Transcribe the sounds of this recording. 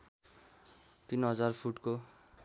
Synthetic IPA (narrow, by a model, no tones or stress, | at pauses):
t̪inɦʌd͡zarpʰuʈko